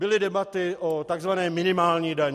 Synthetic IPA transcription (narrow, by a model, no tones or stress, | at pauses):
bɪlɪdɛbat̪ɪʔot̪aɡzvanɛːmɪnɪmaːlɲiːdaɲ